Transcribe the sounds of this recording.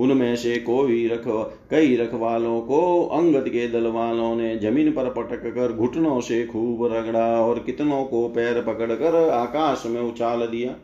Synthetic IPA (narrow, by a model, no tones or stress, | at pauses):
ʊnmẽsekoːiɾɐkʰ | kəiɾɐkʰʋaːlõkoɐ̃ŋɡət̪ked̪ɐlʋaːlõned͡ʒɐmĩːnpəɾpəʈəkːəɾɡʱʊʈnõsekʰuːbɾəɡɽaɔːɾkɪt̪nõkopɛːɾpəkəɽkəɾaːkaːʃmẽʊt͡ʃaːld̪ijaː